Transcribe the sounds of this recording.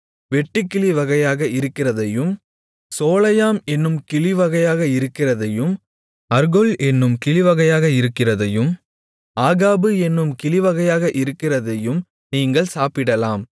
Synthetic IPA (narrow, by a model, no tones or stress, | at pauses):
ʋɛʈːɪkːɪɭɪʋɐɣɐjaːɣɐʔɪɾɯkːɪrɐðɐjɯm | soːlɐjaːmɛnːɯmkɪɭɪʋɐɣɐjaːɣɐɪɾɯkːɪrɐðɐjɯm | ɐɾɣɔlʔɛnːɯmkɪɭɪʋɐɣɐjaːɣɐɪɾɯkːɪrɐðɐjɯm | aːɣaːbɯɛnːɯmkɪɭɪʋɐɣɐjaːɣɐʔɪɾɯkːɪrɐðɐjɯm | niːŋɡɐɭsaːpɪɽɐlaːm